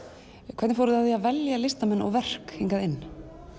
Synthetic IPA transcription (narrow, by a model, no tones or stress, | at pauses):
kʰvɛt̪nɪfoːɾʏðaðθiaðvɛljalɪst̪amɛnːɔ̰ɣvɛr̥keŋkaðɪnː